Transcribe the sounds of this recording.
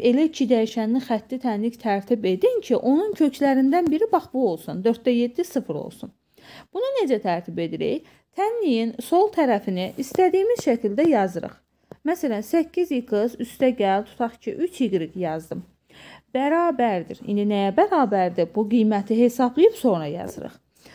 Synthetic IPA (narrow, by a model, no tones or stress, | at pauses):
e̞læcʰid̪æjiʃæniχæt̪ːit̪ʰænlict̪ʰæɾt̪ʰibe̞d̪incʰiʔo̞nuncʰø̞cʰlæɾind̪ænbiɾibɑχbuo̞lˠsund̪ø̞ɾt̪̚d̪æje̞d̪ːisɯfɯɾo̰lˠsun | b̥unune̞d͡ʒæt̪ʰæɾt̪ʰibe̞d̪iɾḛj | t̪ʰænːijinso̞lˠt̪ʰæɾæfiniʔist̪æd̪ijːmiz̥ʃæcʰild̪æjɑzɯɾɯ̰χ | mæsælænsæcʰːizjɯkɯzyst̪æɟælt̪ʰu̥t̪ʰɑχcʰḭʔyt͡ʃʰhiɡɾiɡjɑzd̪ɯm | b̥æɾɑːbæɾd̪iɾḭnd̪inæjæbæɾɑːbæɾd̪ibuɡijmæt̪ʰiɦe̞sɑblˠɯjɯbso̞ŋɾɑjɑ̰z̥ɯ̰ɾɯ̰χ